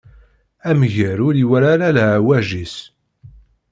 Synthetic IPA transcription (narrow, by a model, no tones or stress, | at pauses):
æmʝəɾʊɾiwæɾaɾælæwæʒis